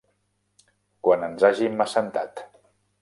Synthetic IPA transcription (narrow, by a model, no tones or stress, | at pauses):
kwanənzaʒiməsənt̪a̰t̪